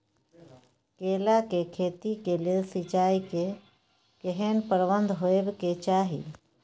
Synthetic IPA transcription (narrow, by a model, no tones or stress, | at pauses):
keːlakekʰeːt̪ikelesit͡ʃaːike | keɦeːnpəɾʋənd̪ʱɦoebket͡ʃaːɦḭ